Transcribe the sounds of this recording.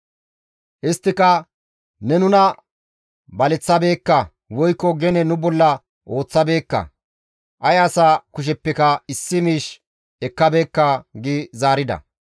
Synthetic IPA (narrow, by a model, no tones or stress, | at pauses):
ʔɪst̪ːɪkɐ | nɛnʊnɐ | bɐlɛt͡sːɐbe̞ːkːɐ | wɔjkːɔɡɛnɛnʊbɔlːɐ | ʔo̞ːt͡sːɐbe̞ːkːɐ̰ | ʔɐjɐsaːkʊʃ̬ɛpːɛkɐɪsːɪmiːʃ | ɛkːɐbe̞ːkːɐɡɪzaːɾɪd̪ɐ̰